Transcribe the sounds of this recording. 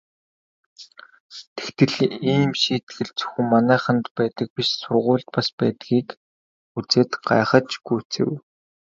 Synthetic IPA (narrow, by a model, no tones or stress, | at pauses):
t̪ʰe̥xt̪ɘ̆ɮiːmʃiːt̪ɡɘ̆ɮt͡sɵ̥xɘ̆ŋmanæːχə̆nt̪pæːt̪ə̆k̚piʃsʊrʁʊːɮt̪paspæːt̪ɡiːk | ut͡seːt̪ɢa̰ːχə̆t͡ɕɡujʰt͡sḛ̆w